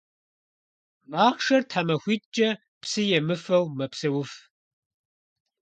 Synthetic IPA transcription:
naːχʂɐrtħamɐxʷiːt̚ʼt͡ʃʼɐ | pʰsɨjɛmɨfɐwmɐpsɐwʊf

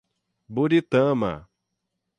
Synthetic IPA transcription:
buɾit̪ɐ̃mɐ̰

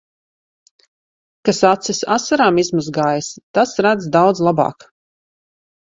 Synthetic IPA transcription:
kasat̪sisasaɾaːmizmuzɡaːjast̪asɾæd̪zd̪awd̪zlˠabɑ̰ːk

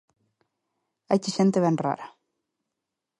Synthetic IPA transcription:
ɛ̰hcːɪsɛnt̪ɪvɛnra̰ːɾa

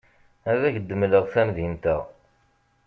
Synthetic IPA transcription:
æðæçəd̪ːəmləʁθæmðint̪æʁ

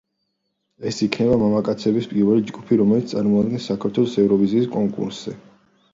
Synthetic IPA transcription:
ɛsikʰnɛβamamakʼat̪sʰɛbispʼiɾvɛlid͡ʒɡupʰiɾɔmɛlit̪st̪ʼaɾmɔad̪ɡɛnsakʰaɾt̪ʰwɛlˠɔsɛvɾɔviziːskʼɔŋkʼṵɾsz̥ɛ

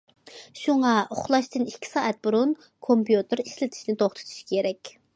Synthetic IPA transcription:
ʃuŋɑʊχlˠɑʃt̪ɨnikʲʰːi̥sɑːʔɛt̪̚buɾun | kʰompjut̪ɨɾislɪt̪ʰɪ̥ʃnɪt̪ʰoχt̪ʰɨ̥t̪ʰu̥ʃkʲʰeɾɛkʲ

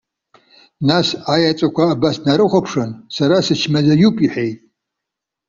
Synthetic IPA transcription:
nasajat͡sʷʼakʷʰaːbasnaɾɨχʷapʰʂansaɾasɨt͡ʃʰmazajupʼiħejtʼ

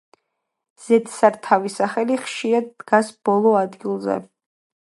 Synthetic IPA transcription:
z̥ɛt̪ʰsaɾt̪ʰavisaχɛliχʃiɾad̪̚ːɡasb̥ɔlˠɔad̪ɡilˠzɛ̰

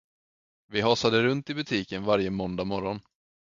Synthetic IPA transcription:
vɪɦɑːsad̪əɾɵnt̪ɪbɵt̪ʰiːkənvaɾjəmɔnd̪amɔɾɔn

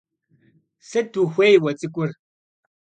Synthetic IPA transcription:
sɐduːxʷeːjwɐt͡sʼɨkʷʼʊr

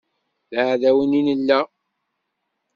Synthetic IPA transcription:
ðʕðæwəninəlːæ

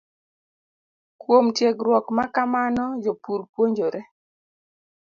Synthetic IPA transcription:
kwomtjeɡɾwɔkmakamanɔd͡ʒopuɾpwoɲd͡ʒoɾɛ

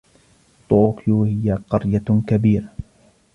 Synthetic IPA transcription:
t̪ˤokjuhɪjaqɑɾjakabiːɾa

